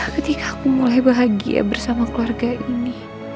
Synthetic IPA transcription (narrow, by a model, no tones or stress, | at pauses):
kət̪ikaːkumulajbaɦaɡḭa̰bərsamakəluarɡaʔini